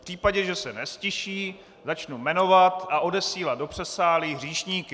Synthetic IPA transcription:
pr̥iːpaɟɛʒɛsɛnɛscɪʃiː | zat͡ʃnumɛno̞vat̪aʔo̞dɛsiːlad̪̚do̞pr̝̥ɛsaːliɦr̝iːʃɲiːkɪ

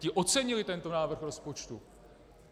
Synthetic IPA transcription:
cɪʔo̞t͡sɛɲɪlɪt̪ɛnt̪o̞naːvr̩xɾo̞spo̞t͡ʃt̪u

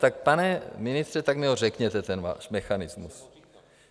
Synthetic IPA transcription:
t̪ak̚panɛmɪnɪst̪r̥ɛt̪aɡmɪɦorɛkɲɛt̪ɛt̪ɛnva̰ːʃmɛxanɪzmus

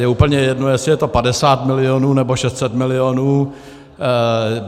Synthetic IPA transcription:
jɛuːpl̩ɲɛjɛdno̞jɛsɪjɛt̪o̞padɛsaːt̪mɪlɪonuːnɛboʃɛst̪sɛt̪mɪlɪonuː

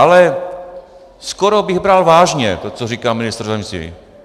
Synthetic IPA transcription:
ʔalɛ | skoɾobɪɣbɾalvaːʒɲɛt̪ot͡soriːkaːmɪnɪst̪r̩zɛmsḭː

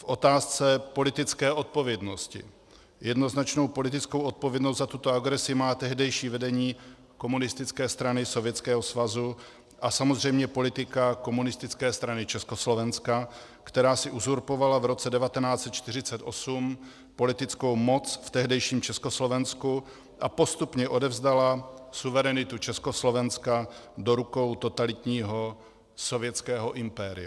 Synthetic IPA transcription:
fʔo̞t̪aːst͡sɛpo̞lɪt̪ɪt͡skɛːʔo̞t̪̚po̞vjɛdno̞scɪ̰ | jɛdno̞znat͡ʃno̞wpo̞lɪt̪ɪt͡sko̞wʔot̪̚po̞vjɛdnos̬t̪zat̪ut̪o̞aɡɾɛsɪmaːt̪ɛɦdɛjʃiːvɛdɛɲiː | ko̞munɪst̪ɪt͡skɛːst̪ɾanɪso̞vjɛt͡skɛːɦo̞svazu | ʔasamozr̝ɛjmɲɛpo̞lɪt̪ɪkako̞munɪst̪ɪt͡skɛːst̪ɾanɪt͡ʃɛsko̞slo̞vɛnska | kt̪ɛɾaːsɪʔuzuɾpo̞valavɾo̞t͡sɛdɛvat̪ɛnaːt͡sɛt̪̚t͡ʃt̪ɪr̝ɪt͡sɛt̪ʔo̞sum | po̞lɪt̪ɪt͡sko̞wmo̞t͡sft̪ɛɦdɛjʃiːmt͡ʃɛsko̞slo̞vɛnsku | ʔapo̞st̪upɲɛʔo̞dɛvzd̪alasuvɛɾɛnɪt̪ut͡ʃɛsko̞slo̞vɛnskado̞ɾuko̞wt̪ot̪alɪt̪ɲiːɦo | so̞vjɛt͡skɛːɦo̞ʔɪmpɛːɾɪa

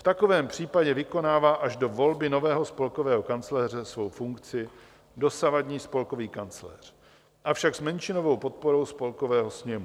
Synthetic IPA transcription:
ft̪ako̞vɛːmpr̝̥iːpaɟɛvɪko̞naːvaːʔaʒdo̞vo̞lbɪno̞vɛːɦo̞spo̞lko̞vɛːɦo̞kant͡slɛːr̝ɛsvo̞wfuŋkt͡sɪ | do̞savadɲiːspo̞lko̞viːkant͡slɛ̰ːr̝̥ | ʔafʃakzmɛnt͡ʃɪno̞vo̞wpo̞t̪̚poɾo̞wspo̞lko̞vɛːɦo̞sɲɛmu

